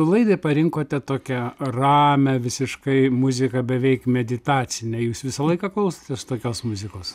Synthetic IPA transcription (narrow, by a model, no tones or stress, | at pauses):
ʊlˠɐɪd̪ɐɪpɐɾʲɪŋkoːt̪ʲɛt̪oːkʲɛrɑːmʲɛʋʲɪsʲɪʃkɐɪmʊzʲɪkɐbʲɛʋʲɛɪkmʲɛd̪ʲɪt̪ɑːt͡sʲɪnʲɛjuːsʋʲɪsɐlˠɐɪkɑklˠɐʊsɐ̥t̪ʲɛst̪oːkʲoːsmʊzʲɪkoːs